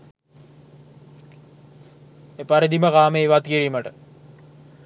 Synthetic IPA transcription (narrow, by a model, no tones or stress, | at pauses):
epaɾid̪iməkaːmeiʋat̪kiɾiːməʈə